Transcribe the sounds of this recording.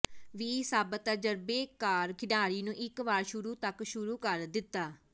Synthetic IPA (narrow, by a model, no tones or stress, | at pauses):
ʋiːsaːbət̪əd͡ʒəɾbeːkaːɾkʰɪɖaːɾiːnũːʔɪkʋaːɾʃʊɾuːt̪əkʃʊɾuːkəɾd̪ɪt̪ːaː